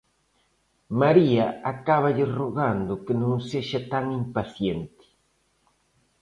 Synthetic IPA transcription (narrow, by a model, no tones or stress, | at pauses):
maɾiɐakaβɐʎɪroɣand̪ʊkɪnõŋseʃat̪aŋimpaθjent̪ɪ̥